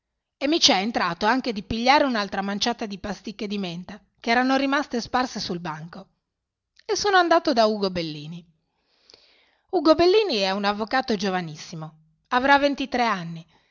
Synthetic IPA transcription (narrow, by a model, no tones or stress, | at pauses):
emːit͡ʃɛent̪ɾaːt̪oaŋk̟ed̪ipiʎːaːɾeunalt̪ɾamant͡ʃaːt̪ad̪ipast̪ikːed̪iment̪a | keɛːɾanoɾimast̪esparsesulbaŋko | esːoːnoand̪aːt̪od̪auːɡobelːiːni | uːɡobelːiːniɛunavːokaːt̪od͡ʒovanisːimo | avɾavːent̪it̪ɾeanːi